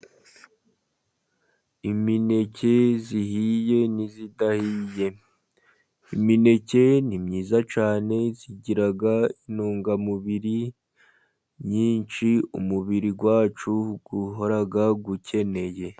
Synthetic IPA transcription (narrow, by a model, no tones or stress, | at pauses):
imine̞ce̞ziɦije̞nizidahiːje̞ | imine̞ce̞nimɲiːzat͡ʃaːne̞ziɟiɾaɡainuːŋɡamuβiɾi | ɲiːnt͡ʃiṵmuβiɾiɡwaːt͡ʃuɡ̥uɦoɾaɡaɡucʰe̞ne̞je̞